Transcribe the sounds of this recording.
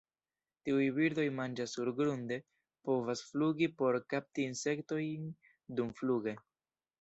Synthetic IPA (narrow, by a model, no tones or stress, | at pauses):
tiujbiɾdo̞jmand͡ʒasuɾɡɾunde̞ | po̞vasfluɡipo̞ɾkap̚tiːnse̞kto̞jn | dumfluɡe̞